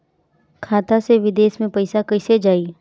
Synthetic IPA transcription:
kʰaːt̪aseʋɪd̪eːsmẽpɐɪsakɐɪsed͡ʒaːiː

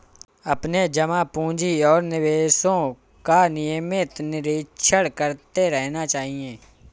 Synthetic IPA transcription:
ɐpned͡ʒəmapũːd͡ʒiɔːɾnɪʋeːʃõ | kanɪjəmɪt̪nɪɾɪʃʰəɽkəɾt̪eɾɛɦnat͡ʃaːɦiẽː

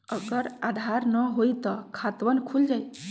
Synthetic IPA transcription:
əɡəɾad̪ʱaɾnəɦojt̪ɔkʰat̪ʋənkʰuld͡ʒaj

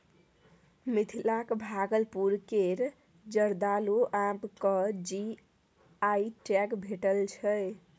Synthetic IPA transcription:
mit̪ʰilakbʱaɡəlpuɾkeɾ | d͡ʒəɾd̪aloʔãbkəd͡ʒi | aiʈakbʱeʈəlt͡ʃʰəj

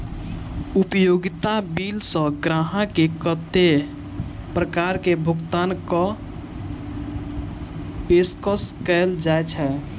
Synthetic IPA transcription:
upjoɡit̪abilsə̃ɡɾaɦãkekət̪ːe | pɾəkaɾkebʱukt̪ankə | peskəskɛld͡ʒajt͡ʃʰɛ

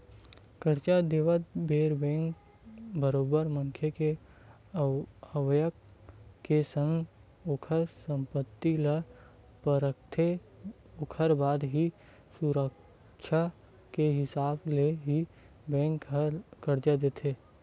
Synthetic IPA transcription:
kəɾt͡ʃad̪eːʋət̪̚beːɾbɛ̃ːŋk | bəɾoːbəɾmə̃ŋkʰjeke | əwjəkkːesə̃ŋɡ | okʰəɾsə̃mpət̪ːila | pəɾəkt̪ʰe | okʰəɾbaːd̪ɦi | suɾək | ʃʰa | keɦɪsaːbleɦi | bɛ̃ːŋkkəɾd͡ʒad̪eːt̪ʰeː

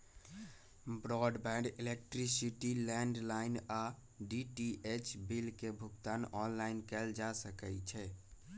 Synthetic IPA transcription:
bɾɔɖbɛ̃ɳɖilek̚ʈɾisiʈilɛ̃ɳɖlaina | ɖiʈiʔet͡ʃbilkebʱukt̪anɔnlainkɛld͡ʒasəkɛt͡ʃʰɛ

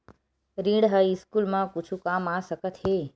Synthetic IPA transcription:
ɾĩɽɦəjskulmãkut͡ʃʰũkamasəkət̪he

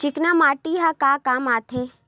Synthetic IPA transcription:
t͡ʃɪknamaːʈiɦakakaːmaːt̪ʰeː

